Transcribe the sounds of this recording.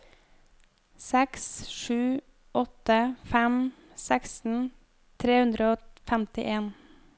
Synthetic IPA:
sɛksʃʉː | ʔɔt̪əfæm | sæksn̩ | t̪ʰɾeːhʉnd̪ɾəoːfæmt̪ɪʔeːn

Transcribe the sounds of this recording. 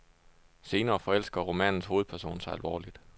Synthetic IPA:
se̝ːnɐːfɒ̽el̰sɡ̥ɐʁo̝mɛnn̩sho̝ːð̩ˠpʰæɐso̝̰ːn̩sɑ̈ɪælʋɒ̰ːlid̥

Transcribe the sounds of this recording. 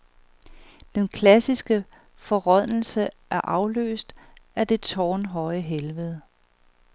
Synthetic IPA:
d̥enkʰlæsisɡ̥ə | fɒ̽ʁɒð̰l̩səʔæɐʔɑ̈ʊlø̰ːsd̥æɐd̥e̝t͡sʰɒ̰ːnɦɒ̽ɪəɦelʋəð̞ˠ

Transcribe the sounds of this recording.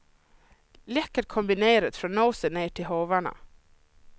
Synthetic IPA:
lɛkːəɾkʰʊmbɪneːɾət̪fɾɔːnoːsəneːʈʰɪlhoːʋaɳə̰

